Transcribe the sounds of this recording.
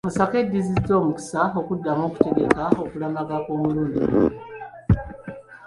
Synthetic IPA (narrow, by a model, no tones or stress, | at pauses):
musake̞dːizid͡zo̞ːmuki̥sao̞kudːamo̞ːku̥te̞ɡe̞kao̞kulamakako̞ːmuluːndḭ